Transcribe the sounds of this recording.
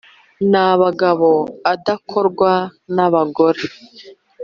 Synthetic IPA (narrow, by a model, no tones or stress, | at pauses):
naβaɡaβoadakʰo̞ɾɡwanaβaɡo̞ɾe